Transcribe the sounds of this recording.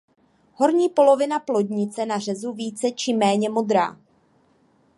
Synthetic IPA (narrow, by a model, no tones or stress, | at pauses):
ho̞ɾɲiːpo̞lo̞vɪnaplo̞dɲɪt͡sɛnar̝ɛzuviːt͡sɛt͡ʃɪmɛːɲɛmo̞d̪ɾa̰ː